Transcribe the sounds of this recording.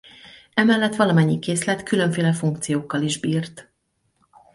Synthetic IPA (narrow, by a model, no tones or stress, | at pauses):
ɛmɛlːɛt̪ʋɒlɒmɛɲːikeːslɛt̪kyløɱfeːlɛfuŋkt̪sijoːkːɒliʒbiːrt̪